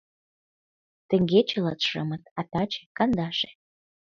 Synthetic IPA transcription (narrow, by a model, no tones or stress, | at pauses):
t̪ə̆ŋɡet͡ɕĕlɑt̪ʃɤmə̆t̪̚ɑt̪ɑt͡ɕe̥kɑnd̪ɑʃe̥